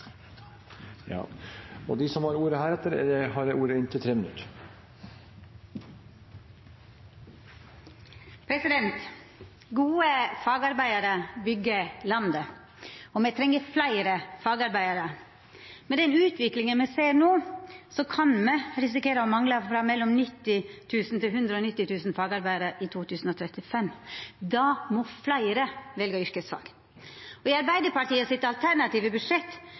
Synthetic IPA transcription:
jɑ̰ːɔ̰d̪ɪsɔmhɑɾuːɾəhæːɾɛt̪ːəɾɛ̰dɛhɑɾuːɾəɪnt̪ət̪ʰɾeːmɪnʉ̰t̪ː | pʰɾɛsɪd̪ɛnt̪ | ɡuːəfɑːɡɑɾbæɪəɾəbʏɡːəlɑnd̪ə | ɔmɛt̪ʰɾɛŋːəɾflæɪɾəfɑːɡɑɾbæɪəɾə | mɛd̪ɛnʉːt̪ʰʋɪklɪŋənmɛseːɾnoːsɔkʰɑnmɛɾɪs̬ɪkeːɾəɔmɑŋləfɾɑːmɛlːɔmnɪt̪ːɪt̪ʰʉːsn̩t̪ɪlɦʉnd̪ɾəɔnɪt̪ːɪt̪ʰʉːsn̩fɑːɡɑɾbæɪəɾəʔɪt̪ʰuːt̪ʰʉːsn̩ɔt̪ʰɾɛt̪ːɪfɛmːd̪ɑmɔflæɪɾəʋɛlɡəʏɾkəsfɑ̰ːɡ | ɔd̪ɪɑɾbæɪd̪əɾpɑʈʰiːəsɪt̪ɑlt̪ʰæɾɳɑt̪iːʋəbʉdʂɛt̪ː

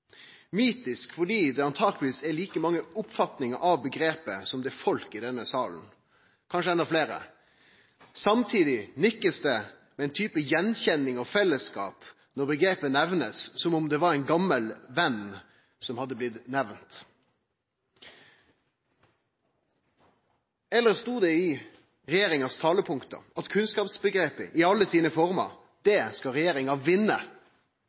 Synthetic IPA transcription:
myːt̪ɪskfɔɖiːd̪ɛɑnt̪ʰɑːɡ̪lʋiːsɛliːkəmɑŋːəʊpfɑt̪nɪŋəʔɑʋbəɡɾeːpəsɔmd̪ɛfɔlkɪd̪ɛnːəsɑːln̩ | kʰɑnʂəɛnɑfleːɾə̰ | sɑmt̪ʰiːd̪ɪnʏkːəsd̪ɛ | mɛɛɪnt̪ʰyːpəjɛnçɛnːɪŋɔfɛlːəskɑ̰ːp | nɔʁbəɡɾeːpənɛʋnəssɔmɔmd̪ɛʋɑɾɛnɡɑmːəlʋɛn | sɔmhɑd̪ːəblɪt̪nɛʋnt̪ | ɛlːəʁst̪uːd̪ɛɪ | ʁɛjeːɾɪŋɑst̪ʰɑːləpʰʊŋkt̪ə̰ɑt̪kʰʉnskɑːpsbəɡɾeːpə̰ʔɪɑlːəsiːnəfɔʁmɑ̰ɾ | d̪ɛskɑɾɛjeːɾɪŋɑʋɪnːə̰

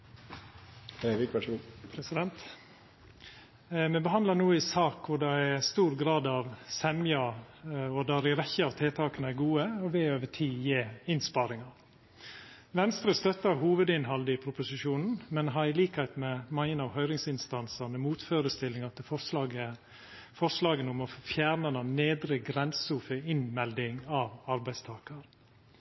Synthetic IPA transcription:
eʋɪkʋɑʂəupʰɾɛsɪd̪ɛnt̪ | mɛbəɦɑnd̪lənuːɪsɑːkʋʊɖɛæst̪uːɾɡɾɑːd̪ɑʋsɛmjɑ | ɔd̪æɾɪɾɛçəɑːʋt̪ʰeːt̪ʰɑːkənəæɾɡuːəɔʋɛːoːʋəʈʰiːjeːɪnspɑːɾɪŋɑɾ | ʋɛnst̪ɾəst̪œt̪ːəɾɦuːʋəd̪ɪnɦɑld̪ɪpʰɾʊpʊsɪʃuːnn̩mɛnɦɑɾɪliːkhæɪt̪mɛmɑŋːənɑːʋhœʏɾɪŋsɪnst̪ɑnsɑnəmuːt̪føːɾəst̪ɪlɪŋɑt̪əfɔɑɡə | fɔslɑːɡənʊmɔfjæːɾnɑnɑneːd̪ɾəɡɾɛnsuːfəɪnmɛld̪ɪŋɑːʋɑɾbæɪst̪ʰɑːkəɾ

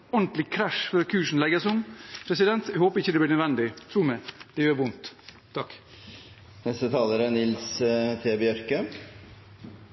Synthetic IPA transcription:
ɔɳt̪lɪkʰɾæʂfɔɾkʰʉːʂn̩lɛɡəsʊmpʰɾɛsɪd̪ɛnt̪ɛhoːpəɾɪçːəd̪ɛblɪːnəd̪ʋɛnd̪ɪt̪ʰɾuːmɛd̪̥ɛjøːɾʋʊnt̪ʰː | ɑk | nɛst̪ət̪ʰɑːləɾənɪlst̪ʰeːbɛœɾkə

